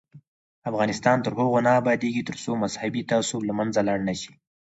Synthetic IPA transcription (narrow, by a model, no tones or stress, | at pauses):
afɣɑnɪst̪ɑnt̪əɾɦoɣonaːbɑd̪eɡit̪əɾsomazhabit̪ɑsolamanzalaɳnaʃi̥